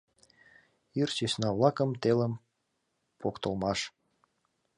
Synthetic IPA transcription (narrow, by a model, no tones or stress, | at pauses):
irt͡ɕesnɑβlɑkə̆mt̪eləm | pokt̪ə̆lmɑʃ